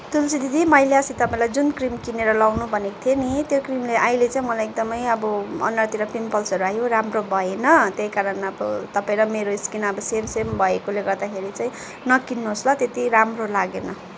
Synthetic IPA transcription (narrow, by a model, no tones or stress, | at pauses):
t̪ulsid̪ʱid̪ʱimʌjleʌsit̪ʌpaĩlajd͡zunkrimkineɾʌlʌwnubʱʌnekt̪ʰjenit̪jokrimleʔajlet͡saĩmʌlajek̚d̪ʌmʌjʌbʌʌ̰nːʌrt̪iɾʌpimpʌlsʌɾuajoɾamrobʱʌenʌt̪jejkaɾʌnʌbʌt̪ʌpaĩɾʌmeɾoiskinʌbʌsemsembʱʌekoleɡʌɾd̪akʰeɾit͡saĩ | nʌkinːuɦoslʌt̪et̪iɾamrolaɡenʌ